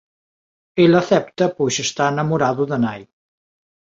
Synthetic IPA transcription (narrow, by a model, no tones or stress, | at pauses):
eləθɛp̚t̪əpuʒəst̪aənəmuɾaðuðənaj